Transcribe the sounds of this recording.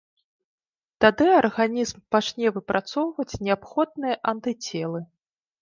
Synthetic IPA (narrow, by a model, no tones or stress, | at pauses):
t̪ad̪ɨarɣanʲizmpat͡ʂnʲɛvɨpɾʔat̪sɔwvɐt͡sʲnʲɛapxɔd̪̚nɨjɐʔɐnt̪ɨt͡sʲɛlˠɨ